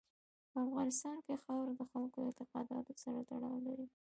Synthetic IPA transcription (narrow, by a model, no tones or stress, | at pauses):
pəafɣɑnɪst̪ɑnkexɑwɾad̪əxalkoɪnt̪ɪqɑd̪ɑ̰t̪osaɾat̪aɽɑwlaɾi